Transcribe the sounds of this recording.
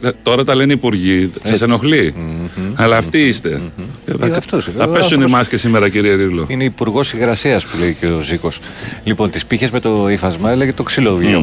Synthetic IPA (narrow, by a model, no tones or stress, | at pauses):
t̪o̞ɾɐt̪ɐlenipuɾʝiseseno̞xli | ɐlɐːft̪iist̪e̞ceɐɐft̪osɐpesunimɐscesime̞ɾɐciɾieɾivloineipuɾɣo̞siɣɾɐsiɐspule̞iceoziko̞slipo̞nt̪ispiçe̞zme̞t̪oifɐzmɐeleʝet̪oksiloo